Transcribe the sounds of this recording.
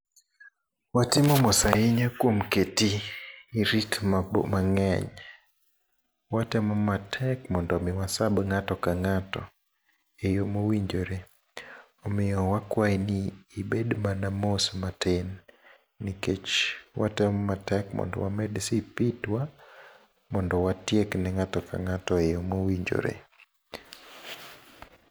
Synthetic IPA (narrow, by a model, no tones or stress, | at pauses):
watimɔmɔsaiɲakwom̩ketiː | ɾitma̰maŋɛɲ | watɛmɔmatʰɛkmɔndɔmɛwasabŋatɔkaŋatɔ̰ | ejomowiɲd͡ʒoɾe | omɪjɔwakwainɪːbedmanamosmatʰenː | iket͡ʃwʔa̰tɛmɔmatɛkmɔ̰ndɔ̰wamɛdsipitwa | mɔndɔwatjeknɛŋatɔka̰ŋatɔejomowiɲd͡ʒo̰ɾḛ